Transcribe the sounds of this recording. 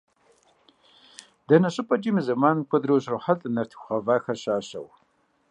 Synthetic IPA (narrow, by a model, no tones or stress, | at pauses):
dɐnɐɕʼɨpʼɐd͡ʒʼimizɐmaːnmkʷʰɐd̪ɾowɕroħɐɬʼnɐrtʰχʷɐvaːxɐrɕaːɕɐ̰w